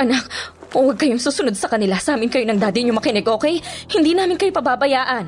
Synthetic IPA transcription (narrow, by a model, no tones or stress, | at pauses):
ʔɐnak̚ | owɐɡ̚kɐjoŋsuːsʊno̞d̪̚sɐkɐnɪlasaːmɪnkɐjonɐŋd̪aːd̪ɪʔɲomɐkɪnɛɡʔo̞ːkɛjhɪnd̪iːnaːmɪnkɐjo̞pɐbaːbɐjaːʔɐn